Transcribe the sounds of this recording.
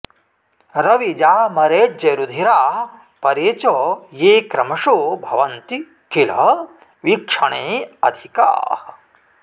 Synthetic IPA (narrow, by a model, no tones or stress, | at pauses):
ɾɐʋid͡ʒaːmɐɾeːd͡ʒɐɾud̪ʱiɾaː | pɐɾeːt͡ʃojeːkɾɐmɐʂoːbʱɐʋɐnt̪i | kʰilɐ | ʋikʂɐɳeːɐ̰d̪ʱika̰ː